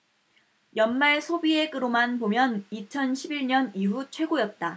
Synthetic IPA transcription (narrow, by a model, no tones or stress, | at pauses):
jʌnmaɭsʰobie̞k͈ɯɾomanpomjʌnit͡ɕʰʌnɕʰibiɭɲʌniɦut͡ɕʰwe̞ɡojʌt̚t͈a